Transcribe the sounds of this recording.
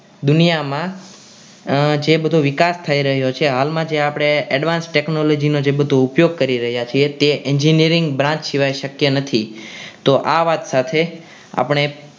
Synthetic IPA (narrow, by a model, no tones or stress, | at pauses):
d̪ʊnijamã | d͡ʒebəd̪ʱoʋɪkast̪ʰaiɾəɦjot͡ʃʰeɦalmãd͡ʒeapɽ̃eɛɖʋãnsʈeknolod͡ʒinod͡ʒebəd̪ʱoupjoɡ̚kəɾiɾəɦjat͡ʃʰiet̪eʔɛɲd͡ʒiniɾɪŋɡbɾãt͡ʃʃiʋajʃəkjənət̪ʰit̪oʔaʋat̪sat̪ʰe | a̰pɳ̃e